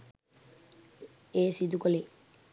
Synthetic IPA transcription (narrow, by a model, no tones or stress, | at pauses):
eːsid̪ukole